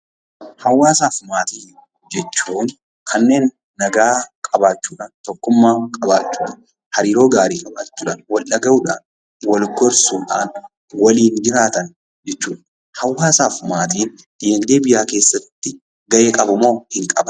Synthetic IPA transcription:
hɐwːaːsaːfmaːt̪iː | d͡ʒɛt͡ʃːuːn | kʰɐnːe̞ːnː | ɐɡaːkʼɐbaːt͡ʃːuːᶑɐnt̪ɔkːʊmːaːkʼɐbaːt͡ʃːuːᶑɐn | hɐɾiːɾo̞ːɡaːɾiːkʼɐba̰ːt͡ʃːuːᶑɐnwɐlːɐɡɐʔʊᶑa̰ːn | wɐlɡɔɾsʊːᶑa̰ːn | wɐliːnd͡ʒɪɾaːt̪ɐn | d͡ʒɛt͡ʃːuːᶑɐ | hɐwːaːsaːfmaːt̪iːn | d̪̥jɛnd̪eːbɪjaːke̞ːsːɐt̪ːɪ | ɡɐʔeːkʼɐbʊmo̞ːhɪŋkʼɐbɐn

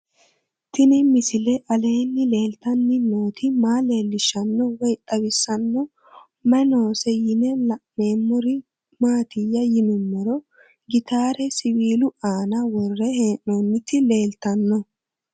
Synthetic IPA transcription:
t̪ɪnɪmɪsɪlɛʔɐle̞ːnːɪle̞ːlt̪ɐnːɪnoːt̪ʰɪmaːle̞ːlːɪʃɐnːɔwɛjt̪ʼːɐbɪsːɐnːɔ | mɛno̞ːsɛjɪnɛlɐʔme̞ːmːʊɾɪ | maːt̪ɪjːɐjɪnʊmːɛɾɔ | ɡɪt̪aːɾɛsɪwiːlʊaːnɐwɔrːɛheːʔonːɪt̪ːɪle̞ːlt̪ɐnːɔ

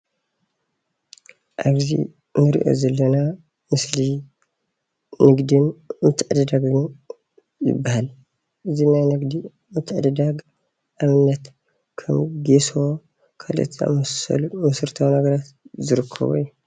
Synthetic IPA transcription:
ʔaβzḭ | nɨɾḭʔo̰zɐlːɐna | mɨsli | nɨɡd̪inmɨt̪ʰːɨʕɨd̪ɐd̪aɡɨn | jɨ̰bːahal | ʔɨzinajnɨɡd̪i | mɨt̪ʰːɨʕɨd̪ɨd̪aɡ | ʔaβɨnːɐt̪ | kʰɐmɡeso | kʰa̰lʔɨ̰t̪ʰa̰mɐɐ̰lmɐsɨɾt̪ʰawnɐɡɐɾat̪zɨɾɨkʰːɐ̰βṵiu

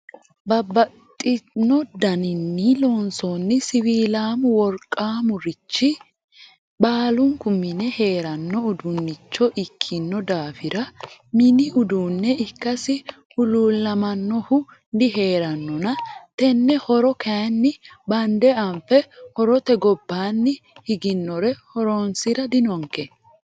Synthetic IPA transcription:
bɐbːɐ | t̪ʼːɪnːɔd̪ɐnɪnːɪloːnsonːɪsɪwiːlaːmʊwɔɾkʼːaːmʊɾɪt͡ʃːɪ | baːlʊŋkʊmɪnɛhe̞ːɾɐnːɔʊd̪ʊnːɪt͡ʃːɔʔɪkʰːɪnːɔd̪aːfɪɾɐmɪnɪʔʊd̪uːnːɛɪkːɐsɪ | hʊluːlːɐmɐnːɔhʊ | d̪ɪɦe̞ːɾɐnːɔnɐt̪ɛnːɛhɔɾɔkʰɐjɐnːɪbɐnd̪ɛɐmfɛhɔɾɔt̪ɛɡɔbːaːnːɪhɪɡɪnːɔɾɛhɔɾonsɪɾɐd̪ɪnɔŋkːɛ

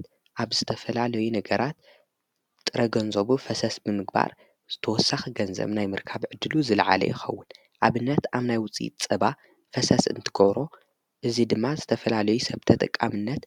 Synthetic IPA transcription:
ʔaβzɨt̪ʰɐfɐlalɐjunɐɡɐɾat̪ | t̪ʼːɨɾʔɐɡɐnzoβufɐsɐsbɨmɨɡ̚ba̰ɾ | z̥ɨt̪ʰɐwɔsːaxiɡɐnzɐ̰βnajmɨɾkʰaβʕɨd̪ːɨluzɨlʕa̰lɐ̰jɪxɐ̰wːʊn | ʔaβɨnːɐt̪aβnajwʊt͡sʼḭt̪̚t͡sʼɐba | fɐsɐsɨ̰nt̪ʰɨɡɐβɾo̞ | ʔɨzid̪ɨmːazɨt̪ʰɐfɐlalɐjusɐβt̪ʰɐt̪ʼɐkʼːamɨnːɐt̪

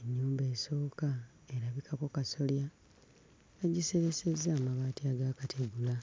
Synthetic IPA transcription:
eɲːuːmbe̞ːso̞ːka | e̞ɾaβikʰako̞kaso̞lja | aɟise̞ɾe̞se̞zːaːmaβaːtiaɡakatʰeɡula

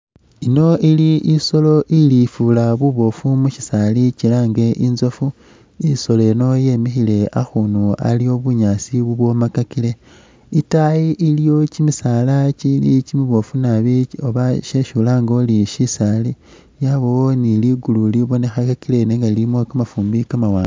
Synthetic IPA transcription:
ino̞iliʔiso̞lo̞ʔilifulaβuβo̞fumuʃi̥salicilaːŋɡe̞ʔinzofu | iso̞le̞no̞je̞mixile̞axunua̰lio̞βuɲaːsiβuβwo̞makakile̞ | itajiʔilijo̞cimisaːlacilicimiβo̞funaβioβaʃe̞ʃuːlaːŋɡo̞ːliʃisaːli | jaβoniliɡululiβo̞ne̞xakakile̞neŋɡalimwokamafuːmbikamawaːɡ

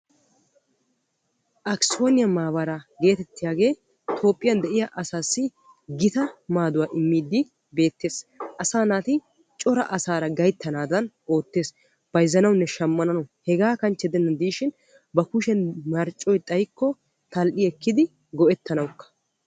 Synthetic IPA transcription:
ʔɐkso̞ːnɪjɐmaːbɐɾaɡe̞ːt̪ɛt̪ːɪjaːɡe̞ː | t̪ʰo̞ːpʼːɪjɐnd̪ɛʔɪjaʔɐsaːsːɪ | ɡɪt̪ɐmaːd̪ʊwaːʔɪmːiːd̪ːɪ | be̞ːt̪ːe̞ːsʔɐsaːnaːt̪ɪ | t͡ʃʼɔɾɐʔɐsaːɾɐɡɐjt̪ːɐnaːd̪ɐnʔo̞ːt̪ːe̞ːs | b̥ɐjɪzːɐnɐwnːɛʃɐmːɐnɐnɔhɛɡaːkɐnt͡ʃːɛd̪ɛnːɐd̪iːʃɪn | bɐkʊʃɛnmɐɾt͡ʃʼːɔjt̪ʼɐjkːɔ | t̪ɐlʔɪɛkːɪd̪ɪ | ɡɔʔɛt̪ːɐnɐwkːɐ̥

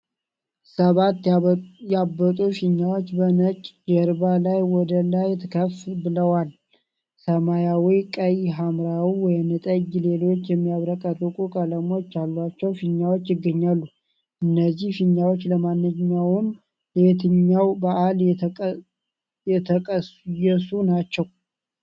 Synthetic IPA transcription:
səβat̪jabːət̪ʼufiɲːawot͡ʃːbənət͡ʃʼd͡ʒɛɾbalajwɔd̪əlajt̪ʰɨkʰəfbɨləwal | səmajawikʼəjɦamɾawiwɔjnət̪ʼəɡle̞lo̞t͡ʃːjɛmːijaβɾəkʼːət̪ʼukʼukʼələmo̞t͡ʃːalːat͡ʃːɛwfiɲːawot͡ʃːjɪɡːəɲːalːu | ʔɨnːəzːihfiɲːawot͡ʃːləmanːɨɲːawʊm | let̪ʰɨɲːawbaʔal | jɛt̪ʰəkʼəsjɛsunat͡ʃːɛw

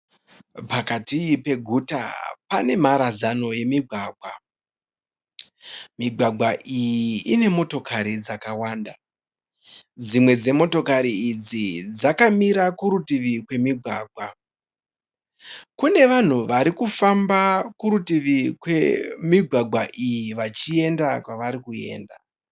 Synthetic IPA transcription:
pakatiipe̞ɡʱuta̰pane̞maɾazano̞je̞miɡʱwaːɡʱwa | miɡʱwaɡʱwaʔijiine̞mo̞to̞kaɾid͡zakawaːnda | d͡zimwe̞d͡ze̞mo̞to̞kaɾiːd͡zid͡zakamiɾakuɾutiʋikwe̞miɡʱwaːɡʱwa | kune̞ʋan̤uʋaɾikufambakuɾutiʋikwemiɡʱwaɡʱwaʔijiʋat͡ʃie̞ndakwaʋaɾikue̞̰ːnda

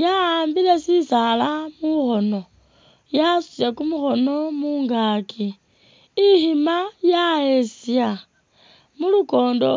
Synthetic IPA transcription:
jaːmbilesisalamuxo̞no̞ | jasu̥sjekumuxo̞no̞muːŋɡaːkiː | himajaesja | muluko̞ːndo̞

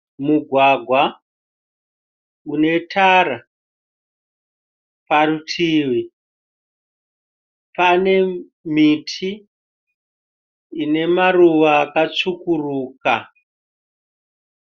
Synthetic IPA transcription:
muɡʱwaɡʱwa | une̞tʰaɾa | parutʰiːwi | pane̞ | mitʰi | ne̞maruʋaːkat͡sukuruːka

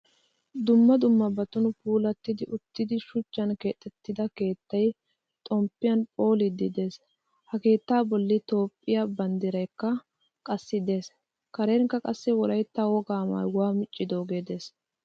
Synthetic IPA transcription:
d̪ʊmːɐd̪ʊmːɐbɐt̪ʊnʊpuːlɐt̪ːɪd̪ɪʔʊt̪ːɪd̪ɪʃʊt͡ʃːɐnke̞ːt̪ʼːɛt̪ːɪd̪ɐke̞ːt̪ːɐj | t̪ʼɔmpːɪjɐnpʼo̞ːlɪd̪ɪd̪e̞ːs | hɐke̞ːt̪ːaːbɔlːɪt̪o̞ːpʼːɪjabɐnd̪ɪɾɐjkːɐ | kʼɐsːɪd̪e̞ːs | kɐɾeːŋkːɐkʼɐsːɪwɔlɐjt̪ːawɔɡaːmɐ̰jwaːmɪt͡ʃʼːɪd̪o̞ːɡe̞ːd̪e̞ːs

